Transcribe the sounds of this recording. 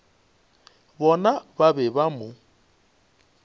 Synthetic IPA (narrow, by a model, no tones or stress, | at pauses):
bɔnababɛbamʊ